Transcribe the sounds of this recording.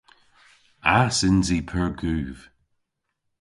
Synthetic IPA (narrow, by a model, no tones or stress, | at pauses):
asɪnzipʰəɹɡʉːv̥